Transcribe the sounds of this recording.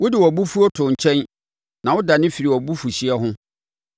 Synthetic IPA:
wʊ˦dɪ˨wɔ˨bu˦fu˦o˦tʰʊ̃˨ɲ̩˨t͡ɕʰɛ̃˦n | nã˨wʊ˦da˨nɪ̃˦fi˨ɾi˨wɔ˨bu˦fu˨ɕi˦ɛ˦ɦʊ̃˦

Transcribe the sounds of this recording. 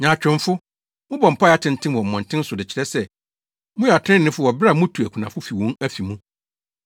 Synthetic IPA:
ɲã˨t͡ɕᶣɪ̃˨m˦fʊ˦ | mʊ̃˦bɔ̃˨m̩˨pʰa˦a˦tʰɪ̃˨n˨tʰɪ̃˦nwɔ̃˨m̩˨mɔ̃˨n˨tʰɪ̃˦n̩˦sʊ˨dɪ˨t͡ɕʰɪ˦ɾɛ˦sɛ˨ | mʊ̃˦jɛ˨a˨tʰɪ̃˦nːɪ̃˦fʊ˦wɔ˨bɾa˦˨mʊ̃˦tʰu˨æ˨kʰũ˨nã˨fʊ˦fi˨wɔ̃˦næ˦fi˨mũ˦

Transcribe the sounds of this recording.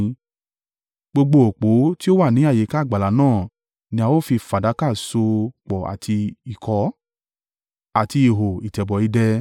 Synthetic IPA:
ɡ͡bo˧ɡ͡bo˧o˨k͡po˨˦ti˦o˦wa˦˨nĩ˨˦a˦˨je˨˦ka˦˨ɡ͡ba˨la˨˦nãː˦˨ | nĩ˧˦a˧wo˦fi˧fa˨da˨˦ka˦˨so˧k͡pɔ˨a̰˨tʰi˧i˨kʰɔ˧˦ | a˨ti˧i˨ɦo˨i˨tɛ˨bɔ˨i˧dɛ˧

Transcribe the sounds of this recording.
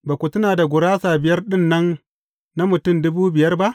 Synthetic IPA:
baː˨kʷʊ˨tʊ˦naː˨da˨ɡʷʊ˨ɾaː˦saː˨bɪ˨jɐ˦rɗɪ˦nːɐ˦n | na˦mʊ˨tʊ˦mdʊ˦buː˦bɪ˨jɐ˦rba˦ʔ

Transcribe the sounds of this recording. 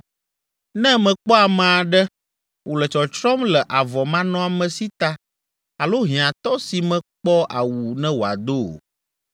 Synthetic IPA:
nɛ̃˦mɛ̃˨k͡pɔ˦a˨mã˨a˨ɖɛ˦ | wʔo˨lɛ˨t͡ʃɔ˨t͡ʃɾɔ˦mlɛ˨ʔa˨vɔ˨mã˦nɔ̃˦a˨mɛ̃˨si˦t̪a˦ | a˨lo˦ɦĩ˨ã˨t̪ɔ˦si˨mɛ̃˦k͡pɔ˦ʔa̰˨wu˨nɛ̃˦wo˨a̰˨d̪o˦˨

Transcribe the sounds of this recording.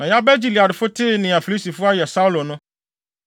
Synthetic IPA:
nã˨ja˦bɛ˦d͡ʑi˨li˨a˨dɪ˨fʊ˦tʰɪ˦˨nɪ̃˨a˨fi˨li˦si˨fʊ˦a˦jɛ˨sa˦u˦lo˨nʊ̃˦

